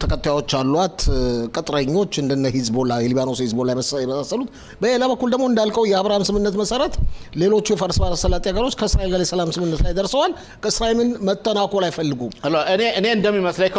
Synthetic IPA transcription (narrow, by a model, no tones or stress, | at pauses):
t̪ʰəkʰʼət̪ːajawo̞t͡ʃːalːuat̪kʼət̪ʼɾəɲːo̞t͡ʃːɨnd̪ɨnːəhizbolajɛliβanoshizbolajməjɛməsasːəlut̪ | bəelaβəkːuld̪əɡmo̞ɨnd̪alkʼəwjɛaβɾahamsɨmɨnːət̪məsəɾət̪le̞lo̞t͡ʃːujɛfəɾsɨbalasəlːat̪ʼiaɡəɾo̞t͡ʃːkʰəɨsɾaelɡaljɛsəlamsɨmɨnːət̪lajd̪əɾsəwal | kʰəɨsɾaimɨnmət̪ʼːənakʼolajfəlːɨɡumloʔɨneɨne̞ɨnd̪əmːiməsləkʰ